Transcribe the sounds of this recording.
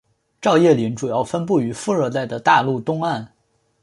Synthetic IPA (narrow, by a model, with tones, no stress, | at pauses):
ʈ͡ʂɑ˥˧ʊjɛ˥˩li˧˥nʈ͡ʂu˨˩jɑ˥˩ʊfə˥npu˥˩y˧˥fu˥˧ə˞˥˧t̪a˥˩ɪd̪ə˩t̪a˥˧lu˥˩t̪ʊ˥ŋa˥˩n